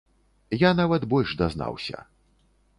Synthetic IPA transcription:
janavɐd̪bɔlʲʐd̪azna̰wsʲɐ̰

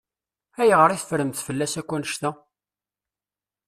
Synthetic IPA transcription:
æjʁəɾiθfɾəmθfəlːæsækʷːænəʃt̪æ

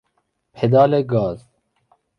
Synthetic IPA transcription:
pʰed̪ɑːleɡɑːz

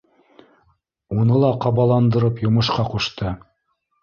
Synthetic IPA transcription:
unɤlˠɑqɑβɑlˠɑnd̪ɤ̆ɾɤpjŏmɤ̆ʃqɑquʃt̪ɤ

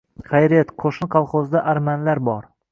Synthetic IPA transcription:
χajɾet̪qʰoʃɪnqʰɑlˠχozd̪aʔaɾmanlaɾbɒɾ

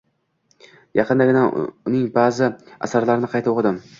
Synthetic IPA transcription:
jɑqʰɨnd̪aɡʲɪnaʊnɪŋbaːzɪa̰saɾlaɾɪnɪqʰɑjt̪ɪoqʰɨd̪ɪm

